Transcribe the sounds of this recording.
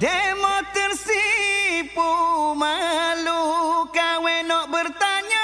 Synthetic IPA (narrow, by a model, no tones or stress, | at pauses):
dɛmɔkarsipumalukawɛnɔʔbərt̪aɲa